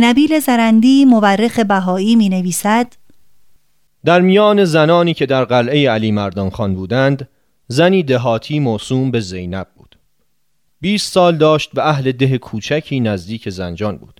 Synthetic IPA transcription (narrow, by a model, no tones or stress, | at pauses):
næbiːle̞zæɾænd̪iːmoværːexe̞bæɦɒːiːmiːne̞viːsæd̪̥ | d̪̥æɾmijɒːne̞zænɒːniːcʰe̞d̪æɾɢælʔe̞jeæliːmæɾd̪ɒːnxɒːnbuːd̪ænd̪ | zæniːd̪eɦɒːt̪ʰiːmosuːmbe̞ze̞jnæb̚bṵːd̪̥ | biːst̪sɒːld̪ɒːʃt̪̚bæʔæhle̞d̪e̞ɦekʰuːt͡ʃʰæcʰiːnæzd̪iːcʰe̞zænd͡ʒɒːnbṵːd̪̥